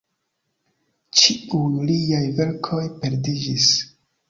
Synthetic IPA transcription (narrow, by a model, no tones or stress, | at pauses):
t͡ʃiujlijajve̞ɾkʰo̞jpe̞ɾdid͡ʒis